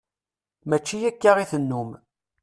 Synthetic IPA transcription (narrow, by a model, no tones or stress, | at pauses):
mæt͡ʃːijækːaʁiθənːum